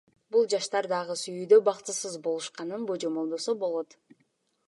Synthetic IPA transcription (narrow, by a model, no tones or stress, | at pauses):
bulˠd͡ʒɑʃt̪ɑɾd̪ɑʁɯsyjyd̪øbɑqt̪ɯsɯzbo̞lˠuʃqɑnɯnbod͡ʒo̞mo̞lˠd̪o̞sobo̞lˠo̞t̪